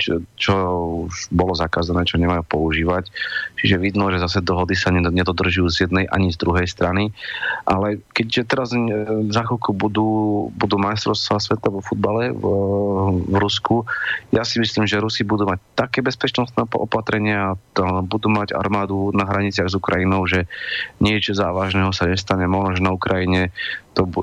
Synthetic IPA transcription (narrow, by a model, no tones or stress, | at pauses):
t͡ʃɔuʒbɔlɔzakaːzanɛːt͡ʃɔɲɛmajuːpɔuʒiːʋact͡ʃiʒɛʋid̪nɔʒɛzas̬ɛd̪ɔɦɔd̪isaɲɛɲɛd̪ɔd̪r̩ʒʊjuːzjɛd̪nɛjʔa̰ɲizd̪ɾuɦɛjst̪ɾaniʔalɛkɛɟʒɛt̪ɛɾazzaxɔkubud̪uːbud̪uːmajst̪ɾɔʊst̪ʋasʋɛt̪aʋɔfud̪̚balɛ | vɾuskujasimisliːmʒɛɾusibud̪uːmac̚t̪akɛːbɛspɛt͡ʃnɔst̪nɛːpʔɔ̰pat̪ɾɛɲɪaːbud̪uːmaɟa̰ɾmaːd̪unaɦɾaɲit͡sɪaɣzukɾa̰jinɔʊʒɛɲɪɛt͡ʃɔzaːʋaʒnɛːɦɔsaɲɛst̪aɲɛmɔʒnɔʒɛnaukɾʔajiɲɛt̪ɔbu